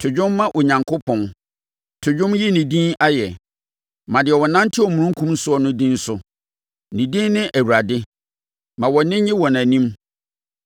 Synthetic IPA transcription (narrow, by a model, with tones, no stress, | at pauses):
tʰʊ˨d͡ʑᶣʊ̃˦mːã˦ʔʊ˨ɲã˨ŋkʰʊ˦pʰɔ̃˦n | tʰʊ˨d͡ʑᶣʊ̃˦mji˦nĩ˨dĩ˦na˦jɛ˨ | mã˨dɪ˨ɛ˨wɔ˨nã˦ntʰɪ˦ɔ˨mũ˨ũ˦ŋ˦kʰũ˦m˦sʊ˦ɔ˦nʊ̃˦dĩ˦n˦sʊ˨ | nĩ˨dĩ˦nnɪ̃˦ʔæ˨wu˨ɾa˨dɪ˦ | mã˨wɔ˨nɪ̃˦ɲɪ̃˦wɔ̃˨næ̃˨nĩ˦m